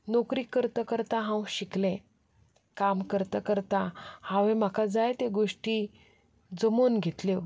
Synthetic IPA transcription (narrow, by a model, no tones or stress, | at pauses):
nokɾiːkəɾt̪əkəɾt̪aɦãwɕiklẽ | kamkəɾt̪əkəɾt̪ahãʋẽm̤akad͡zajt̪eɡoʂʈi | d͡zəmonɡʱet̪le